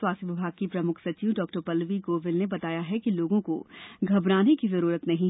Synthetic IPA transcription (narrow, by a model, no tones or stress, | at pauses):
waːst̪ʋɪbʱaːɡ̚kipɾɐmʊkʰsɐt͡ʃiːʋɖɔːk̚ʈəɾpɐlʋiɡoːʋɪlnebɐt̪aːjaɦɛkiloːɡõko̰ɡʱɐbɾaːnikizɐɾuːɾət̪nɐɦĩ